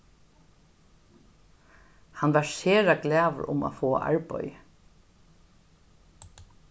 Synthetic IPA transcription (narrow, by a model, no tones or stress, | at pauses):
hanʋæɹseːɾaklæːʋə̰ɹʊ̰ma̰fɔːa̰ʔa̰ɹpœ̰j